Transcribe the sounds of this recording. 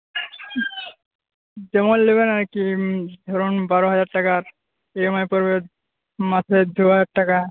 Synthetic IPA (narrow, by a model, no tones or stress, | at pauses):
d͡ʒɔmɔlːebenaɾkid̪ʱɔɾunbaɾɔɦad͡ʑaɾʈakaɾ | ejmajpɔɾbe | matʰed̪ʱuaʈaka